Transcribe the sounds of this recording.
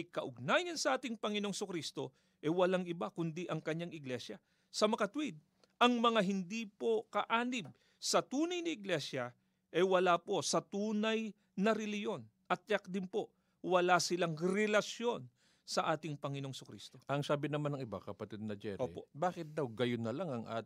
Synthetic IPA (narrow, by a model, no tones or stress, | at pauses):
ɐjkɐʔʊɡ̚naːjɐnsɐʔaːt̪ɪŋpɐŋɪno̞ŋsʊkɾist̪o̞ | ʔɛwɐlaŋɪbakʊnd̪iʔɐŋkɐɲaŋɪɡlɛsjɐ | sɐmɐkɐt̪wid̪̚ | ʔɐŋmɐŋaɦɪnd̪ipo̞kɐʔaːnɪb̚ | sɐt̪uːnɐjnɐɪɡlɛsjɐ | ʔɐwɐlapo̞sɐt̪uːnɐj | nɐɾɛlɪhjo̞n | ʔɐt̪̚jɐk̚d̪ɪnpo̞ | wɐlasɪlaŋɾɛlɐsjo̞n | sɐʔaːt̪ɪŋpɐŋɪno̞ŋsʊkɾḭːst̪o̞ʔɐŋsaːbɪnɐmanɐŋɪba̰kɐpɐt̪ɛd̪̚nɐd͡ʒɛ̰ɾʔoːḭpo̞̰baːkɪt̪̚d̪awɡɐjonːɐlaŋɐŋʔa̰ː